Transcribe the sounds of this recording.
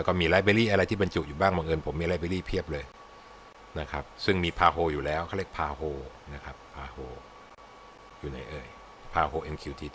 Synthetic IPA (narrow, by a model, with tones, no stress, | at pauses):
ɛ˦˥kɔː˥˩miː˧laː˦˥jbeː˧˦liː˥˩ʔa˧ɾa˧jt̪ʰiː˥˩ba˧nt͡ɕu˨˩ʔ̚juː˨˩baː˥˩ŋma˧ŋʔɤː˧npʰo˩˦miː˧la˦˥jbe˧liː˥˩pʰi˥˩əp̚lɤː˧j | na˦˥kʰa˦˥p̚sɯ˥˩ŋmiː˧pʰaː˧ɦoː˧juː˨˩lɛː˦˥wkʰa˥˩wle˥˩kpʰaː˧hoː˧ | na˦˥kʰa˦˥ppʰːaː˧hoː˧ | juː˨˩na˩˦jʔɤː˧j | pʰaː˧ɦoː˧ʔe˧nkʰiː˧wt̪ʰiː˧t̪